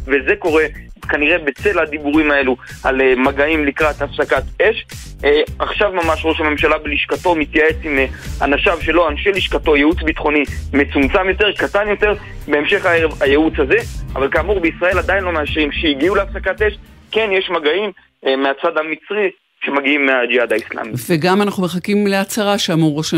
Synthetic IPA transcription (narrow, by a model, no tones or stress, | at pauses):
ve̞ze̞ko̞ʁe̞kaniʁe̞be̞t͡se̞lad̪ibuʁimaelualemaɡaimlikʁat̪afsakat̪e̞ʃ | aχʃavmamaʃʁoʃame̞mʃalabeliʃkato̞mit̪jae̞t͡simea̰naʃavʃe̞loanʃeliʃkat̪o̞jeut͡sbit̪χo̞nime̞t͡sumt͡samjo̞t̪e̞ʁkatanjo̞t̪e̞ʁ | be̞emʃe̞χaevajeut͡shaze̞a̰valkaːmuʁbeisʁae̞lad̪ainlo̞meaʃʁimʃeiɡiuleafsakat̪e̞ʃke̞njeʃmaɡaim | meat͡sad̪amit͡sʁi | ʃe̞maɡiimːead͡ʒihad̪aisla̰miveɡamanaχnume̞χakimle̞at͡saʁaʃeamuʁoʃa